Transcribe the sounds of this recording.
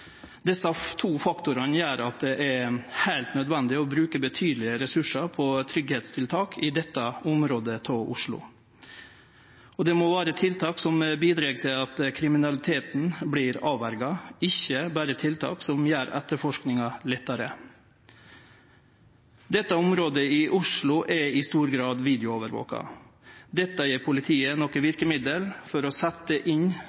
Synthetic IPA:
d̪ɛsɑt̪ʰuːfɑkt̪ʊɾɑnjæːɾɑt̪̚d̪ɛʔæɾhæɪlt̪nœd̪ʋɛnd̪ɪɔbɾʉːkəbət̪ʰyːd̪lɪəɾɛsʉʂɑpʰɔt̪ʰɾʏɡheːt̪st̪ʰɪlt̪ʰɑːkʰɪd̪ɛt̪ːɑʊmɾoːd̪ət̪ʰoʔʊ̰ʂɭʊ̰ | ɔd̪ɛmɔʋæːɾət̪ʰɪlt̪ʰɑːksɔmbiːd̪ɾɑːɡt̪ʰɪlɑt̪kʰɾɪmɪnɑlɪt̪ʰeːt̪n̩bliːɾɑːʋæɾɡɑɪçːəbæːɾət̪ʰɪlt̪ʰɑ̰ːksɔmjæːɾæt̪ːəɾfɔʂknɪŋɑlɛt̪ːɑɾə | d̪ɛt̪ːɑʊmɾoːd̪əɪʔʊʂɭʊʔɛɪst̪uːɾɡɾɑːd̪ʋiːd̪ɪʊoːʋəɾʋo̰ːkɑ̰d̪ɛt̪ːɑjiːɾpʰʊlɪt̪ʰiːənɔkːəʋɪɾkəmɪd̪əlfɔɾɔsæt̪ːəʔɪn

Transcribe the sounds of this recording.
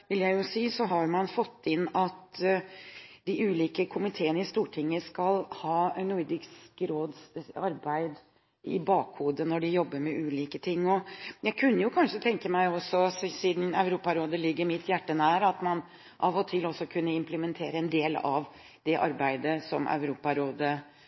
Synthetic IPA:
ʋɪljæɪjʊsiːsɔɦɑɾmɑnfɔt̪ːɪnːɑt̪ | d̪ɪʔʉːliːkəkʰʊmɪt̪ʰeːənəɪst̪uːʈʰɪŋːəskɑlhɑːnʊd̪ɪɡskɾoːd̪sɑɾbæɪd̪ | ɪ̰bɑːkhuːd̪ənɔɖɪjɔbːəɾmɛʔʉːliːkət̪ʰɪŋːɔjæɪkʰʉnːəjʊkʰɑnʂət̪ʰɛŋkəmæɪɔsːɔssiːd̪n̩œʉɾuːpɑɾoːd̪əlɪɡːəɾmɪt̪jæʈːənæːɾɑt̪mɑn | ʔɑʋɔt̪ʰɪlɔsːɔkʰʉnːəɪmpləmɛnt̪ʰeːɾəɛnd̪eːlɑ̰ʋ | d̪̥ɛʔɑ̰ɾbæɪd̪əsɔmʔœ̰ʉɾuːpɑɾoːd̪ə

